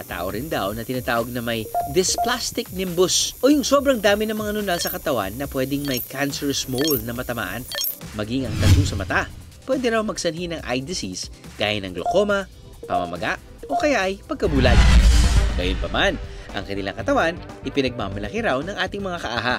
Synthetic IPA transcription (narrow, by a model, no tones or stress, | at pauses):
ʔɐt̪a̰ːʔoɾɪnd̪awnɐt̪ɪnaːt̪aːwɐɡ̚nɐmɐjd̪ɪsplast̪ɪk̚nɪmbosʔojʊŋso̞bɾɐŋd̪aːmɪnɐŋmɐŋanʊnalsɐkɐt̪ɐwa̰nːɐpwɛːd̪ɪŋmɐjkʰansɛɹsmowlnɐmɐt̪ɐma̰ːʔɐnmɐɡiŋɐŋt̪ɐt̪usɐmɐt̪a | pwɛːd̪ɛɾawmɐɡsɐnɦinɐŋʔa̰jd̪ɪsis | ɡ̥a̰ːjɐnːɐ̰ŋɡlo̰ko̞mɐ | pɐ̰mɐ̰mɐ̰ɡaʔ | ʔo̞kɐjaʔɐjpɐɡ̚kɐbuːlɐɡ̚ɡɐ̰jonpɐmanʔɐ̰ŋkɐnɪla̰ŋkɐt̪ɐwanʔɪpɪnɐɡ̚mamɐlɐkɪɾawnɐŋʔaːt̪ɪŋmɐŋakɐʔaːɦɐ